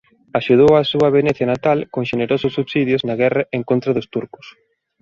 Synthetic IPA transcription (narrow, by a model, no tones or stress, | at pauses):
aʃuð̞owasuɐβ̞eneθjɐnat̪alkoŋʃeneɾosʊsːuβsiðjʊznɐɣɛrɐʔeŋkont̪ɾɐðʊst̪uɾkʊ̥s